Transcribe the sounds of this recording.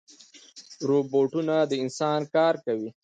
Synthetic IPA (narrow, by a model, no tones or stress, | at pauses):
ɾoboʈunad̪əɪnsɑnkɑɾkawi